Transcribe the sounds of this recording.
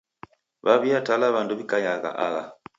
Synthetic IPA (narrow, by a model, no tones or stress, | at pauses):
βaβiatalaβanduβikajaɣa̰ʔa̰ɣa